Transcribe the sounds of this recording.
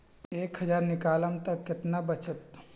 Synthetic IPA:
eːkɦɐd͡ʒaːɾnɪkaːləmt̪ɐkːɪt̪nabət͡ʃət̪

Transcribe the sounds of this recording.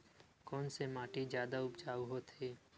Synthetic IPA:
kɔːnsemaːʈid͡ʒjaːd̪aʊpt͡ʃaːɦot̪ʰeː

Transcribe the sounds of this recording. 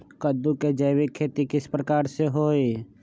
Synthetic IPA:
kəd̪uked͡ʒɐːʋikʰːeːt̪ikɪspɾəkaːɾseɦoːi

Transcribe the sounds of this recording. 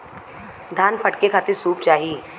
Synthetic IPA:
d̪ʱaːnpʰɐʈkekʰat̪iɾsuːpt͡ʃaːɦi

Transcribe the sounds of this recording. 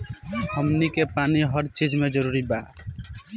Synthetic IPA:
həmnikepaniɦəɾt͡ʃid͡ʒmed͡ʒəɾuɾiba

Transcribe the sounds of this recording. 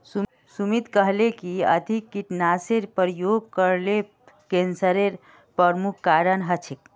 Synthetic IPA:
s | sumit̪kəɦlekiəd̪ʱikːiʈnaseɾpəɾjoɡkəɾle | kensəɾeɾ | pɾəɾmukʰkaɾənɦət͡ʃʰik̚

